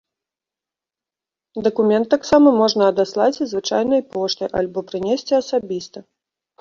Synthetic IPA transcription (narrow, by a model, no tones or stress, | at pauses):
d̪ɐkumʲɛnt̪ːaksamɐmɔʐnɐːd̪aslˠat͡sʲzvɨt͡ʂa̰jnɐjpɔʂt̪ɨjʔa̰lʲbɔpɾɨnʲesʲt͡sʲiɐsabʲist̪ɐ